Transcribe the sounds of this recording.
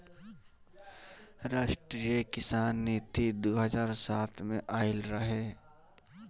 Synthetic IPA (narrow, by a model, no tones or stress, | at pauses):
ɾaːʃʈɾijəkɪsaːnːiːt̪id̪oːɦəzaːɾsaːt̪ʰmẽʔaːɪlɾɐɦeː